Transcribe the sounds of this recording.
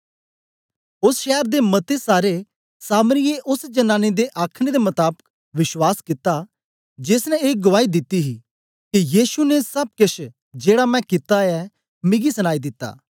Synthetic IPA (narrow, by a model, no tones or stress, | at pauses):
ʊsʃɛːəɾd̪emɐt̪esaːɾe | saːməɾɪeʔʊsd͡ʒɐnãːned̪eʔaːkʰñed̪emɐt̪aːbək̚ | ʋɪʃwaːskɪt̪ːa | d͡ʒɪːsnɛ̃eːk̚ɡʊʋaːid̪ɪt̪ːiɦi | kijiːsunesɐb̚kɪt͡ʃʰ | d͡ʒeːɽamɛ̃kɪt̪aɛː | mɪ̃ɡisɐñaːid̪ɪt̪ːa̰ː